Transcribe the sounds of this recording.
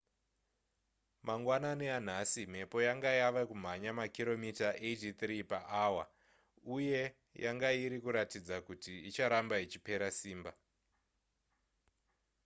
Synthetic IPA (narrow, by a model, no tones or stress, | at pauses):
maŋɡwananean̤asim̤e̞po̞jaŋɡajaʋakum̤aɲamakiɾo̞mitaʔed͡ʒit̪ripaʔaːwa̰ | uje̞ | jʔaŋɡaiɾikuɾatid͡zakutiːt͡ʃaɾambait͡ʃipe̞ɾasiːmba